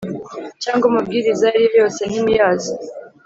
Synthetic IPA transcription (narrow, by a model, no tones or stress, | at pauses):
t͡ʃaːŋɡumub̚ɡiɾizajaɾijojo̞ːsenimijaːzo